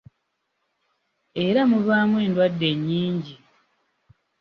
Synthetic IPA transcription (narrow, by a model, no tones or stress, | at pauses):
e̞ɾamuβaːmwe̞ːndwadːe̞ɲːiːɲɟi